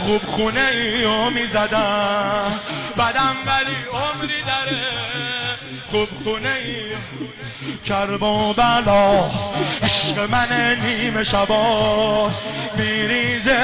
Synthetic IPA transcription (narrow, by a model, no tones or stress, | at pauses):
xubxuneiomiːzæd̪æ | bæd̪æmvæliomɾiːd̪æɾe | xubxunei | kʰæɾbɔːbælɒːheʃqemæneniːmeʃæbɒː | miːɾiːze